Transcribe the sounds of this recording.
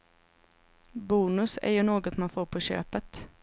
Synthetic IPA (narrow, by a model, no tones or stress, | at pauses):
buːnɵsæ̰ɾjɵnoːɡɔt̪manfoːɾpʰɔɕø̰ːpət̪